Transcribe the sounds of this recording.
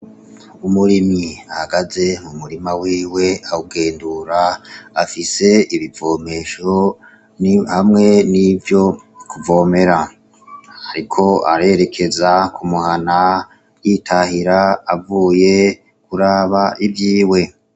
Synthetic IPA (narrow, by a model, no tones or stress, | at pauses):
umuɾimiahaɡaze̞mumuɾimawiːwe̞auɡe̞ːnduɾaafise̞iβivo̞ːme̞ʃo | nhamŋe̞nivjo̞ | kuvo̞ːme̞ɾa | haɾikʰo̞a̰ɾe̞ɾe̞kʰezakʰumuhana | jitʰahiɾaːvuːje̞ | kuɾaβaʔivjiːwe̞